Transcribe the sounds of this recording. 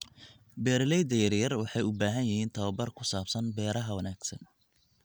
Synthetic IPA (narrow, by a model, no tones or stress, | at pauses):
bɛːɾlɛjd̪ɐjɐrjɐrwɑħɑjʊbaːɦɐnjɐhiːnt̪ʰɐwɐbɐrkʰʊsaːbsɐnbɛːɾɐɦɐwɐnaːɡsɐn